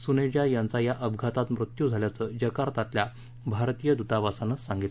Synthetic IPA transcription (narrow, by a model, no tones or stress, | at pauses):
suned͡ʑjajant͡sajaʔəbʱɡʱat̪at̪mɾut̪jud͡zʱaljat͡səd͡ʑəkaɾt̪at̪lja | bʱaɾt̪ijəd̪ut̪aʋasanəssaŋɡit̪l